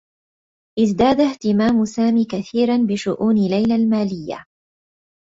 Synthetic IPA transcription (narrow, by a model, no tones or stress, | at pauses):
ʔɪzd̪aːd̪aht̪ɪmaːmʊsaːmiːkaθiːɾanbɪʃʊʔuːnɪlajlalmaːlɪjːa̰